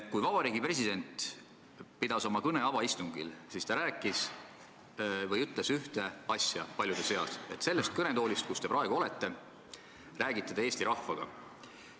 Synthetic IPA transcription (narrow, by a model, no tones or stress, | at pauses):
kujvɑb̥ɑɾiːɡipre̞s̬ʲid̪̥e̞nt̪ | pid̪ɑso̞mɑkɤne̞ɑvɑist̪uŋɡḭlsiːst̪ɑɾæːkːˑis | vɤjyt̪lesyht̪e̞ɑsʲjɑ̰pɑlʲjud̪ese̞ɑ̰se̞t̪ːˑse̞lːe̞st̪̚kɤnet̪o̞ːlʲist̪̚kust̪e̞pɾɑeɡuo̞le̞t̪ːe̞ | ræːɡit̪ˑːed̪eeːst̪iɾɑhfɑɡ̥ɑ̰